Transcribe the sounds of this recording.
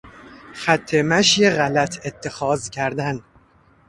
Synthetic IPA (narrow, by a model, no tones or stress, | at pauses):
xæt̪ʰːemæʃjeɣælæt̪ʰet̪ʰːe̞xɒːzcʰæɾd̪æn